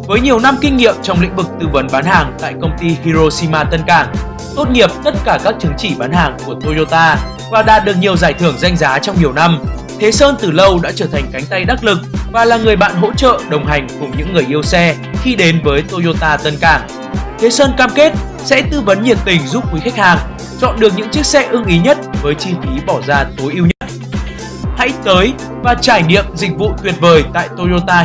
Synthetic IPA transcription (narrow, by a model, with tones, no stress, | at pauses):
vəː˨˦jɲi˨˩əwna˧mkï˧ŋ̟ŋḭ˧˨əmt͡ɕɔ˧wŋ͡mlḭ˧˥ŋ̟vɨ˨˩k̚t̪ɨ˧və˨˦nɓaː˨˦nhaː˨˩ŋt̪a̰ː˧˨jkə˧wŋ͡mt̪i˧hi˧zo˧si˧maː˧t̪ə˧nkaː˧˩ŋ | t̪o˦˥t̚ŋi˨˩əp̚t̪ə˦˥t̚kaː˧˩kaː˦˥k̚t͡ɕɨ˨˦ŋt͡ɕi˧˩ɓaː˨˦nhaː˨˩ŋku˧˩ət̪o˧zo˧t̪aː˧ | vaː˨˩ɗa̰ː˧˨t̚ɗɨ˨˩ək̚ɲi˨˩əwzaː˧˩jt̪ʰɨ˧˩əŋza˧jŋ̟zaː˨˦t͡ɕɔ˧wŋ͡mɲi˨˩əwna˧m | t̪ʰe˨˦səː˧nt̪ɨ˨˩lə˧wɗa̰ː˧˥t͡ɕəː˧˩t̪ʰa˨˩jŋ̟ka˨˦jŋ̟t̪a˧jɗa˦˥t̚lɨ˨˩k̚vaː˨˩laː˨˩ŋɨ˨˩əjɓa̰ː˧˨nɦo̰˧˥t͡ɕə̰ː˧˨ɗə˨˩wŋ͡mɦa˨˩jŋ̟kʊ˨˩əɲɨ̰˧˥ŋːɨ˨˩əjʔi˧əwsɛ˧ | xi˧ɗe˨˦nvəː˨˦jt̪o˧zo˧t̪aː˧t̪ə˧nkaː˨˩ŋ | t̪ʰe˨˦səː˧nkaː˧mke˦˥t̚ | sɛ̰˧˥t̪ɨ˧və˨˦nɲḭ˧˩ən̚t̪ï˨˩ŋ̟zu˦˥p̚xu˨˦xa˦˥k̟̚haː˨˩ŋ | t͡ɕɔ̰˧˨nɗɨ˨˩ək̚ɲɨ̰˧˥ŋt͡ɕi˦˥ək̚sɛ̰˧˥ʔɨ˧ŋʔi˨˦ɲə˦˥t̚vəː˨˦jt͡ɕi˧fi˨˦ɓɔ˧˩zaː˧t̪o˨˦jʔi˧əwɲə˦˥t̚ | ha̰˧˥jt̪əː˨˦j | vaː˨˩t͡ɕaː˧˩jɲḭ˧˨əmzḭ˧˨k̟̚vṵ˧˨t̪wi˨˩ət̚vəː˨˩jt̪a̰ː˧˨jt̪o˧zo˧t̪aː˧